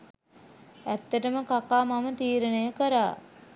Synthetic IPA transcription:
æt̪ːəʈəməkakaːmamət̪iːɾənəjəkəɾa̰ː

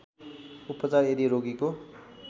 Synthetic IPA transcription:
upʌt͡sareɾiɾoɡiko

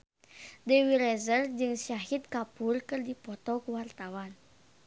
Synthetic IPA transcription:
dɛwilɛzərd͡ʒɨŋsaɦit̪̚kapurkɨrdipɔt̪ɔkuwart̪awan

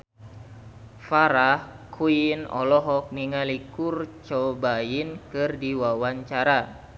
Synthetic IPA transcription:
faɾahkʰuinɔ̰lɔɦɔk̚niŋalikurt͡ʃɔbainkɨrdiwawaɲt͡ʃaɾa

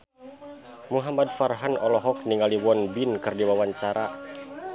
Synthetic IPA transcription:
muɦamad̚farɦanɔlɔɦɔk̚niŋaliwɔnbinkɨrdiwawaɲt͡ʃaɾʔa

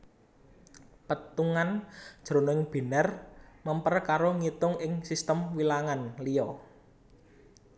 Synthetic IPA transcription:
pət̪uŋand̥ʒ̥ɾo̤nɔɪŋb̥e̤nərməmpərkaɾoŋit̪ʊŋɪŋsist̪əmwilaŋanlijɔ

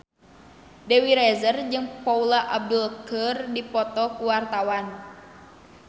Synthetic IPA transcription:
dewiɾɛzərd͡ʒɨŋpaulaʔab̚dulkərdipɔt̪ɔkuwart̪awan

